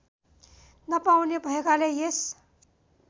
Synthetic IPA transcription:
nəpawnebʱʌeɡalejes

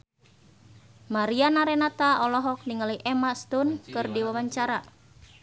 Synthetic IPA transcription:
maɾianaɾɛnat̪aɔlɔɦɔk̚niŋaliʔɛmast̪unkɨrdiwawaɲt͡ʃaɾa

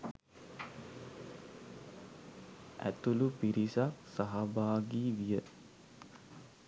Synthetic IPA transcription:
æ̰t̪ulupiɾisaksaɦabaːɡiːʋijə

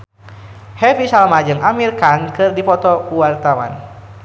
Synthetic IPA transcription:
hɛvisalmad͡ʒɨŋʔamirkankɨrdipɔt̪ɔkuwart̪awa̰n

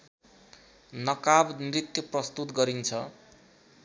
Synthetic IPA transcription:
nʌkabnrit̪jʌprʌst̪ut̪ɡʌɾint͡sʰʌ

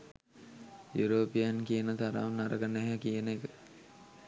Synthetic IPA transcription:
juɾoːpijankijənət̪aɾaʋnːaɾəɡəneɦækijənekə

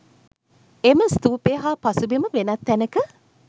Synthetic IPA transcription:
eməst̪uːpeːɦaːpasubeməʋenat̪ːænəkə

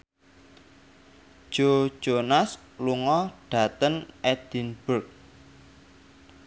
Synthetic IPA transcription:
ʒ̥o̥ʒ̥onas | luŋɔɖ̥ä̤t̪ənɛd̪̥inb̥ʊrk̚

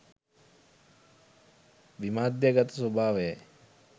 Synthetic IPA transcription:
ʋimaːd̪jəɡat̪əsobʱaːʋejɛ

